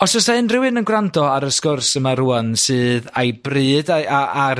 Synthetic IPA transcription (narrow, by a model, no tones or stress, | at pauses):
ɔsɔsaɨnrɪwɨnənɡwrandɔaɾəskɔrsəmaɾuansɨːðajbrɨːdaaa